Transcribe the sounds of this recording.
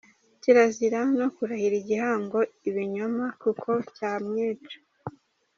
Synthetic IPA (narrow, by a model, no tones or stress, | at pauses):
ciɾaziɾano̞kuɾahiɾiɟihaːŋɡo̞iβiɲomakukʰo̞caːmɲiːt͡ʃo̥